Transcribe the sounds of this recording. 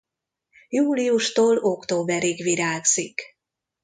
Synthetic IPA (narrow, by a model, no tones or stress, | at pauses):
juːlijuʃt̪oːlo̞kt̪oːbɛɾiɡʋiɾaːɡz̥ik